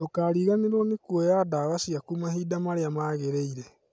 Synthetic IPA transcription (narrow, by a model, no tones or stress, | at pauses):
okaɾiːɣaneɾwɔnekwojadaβasiakumaɦiːdamaɾeamaɣeɾeiɾɛ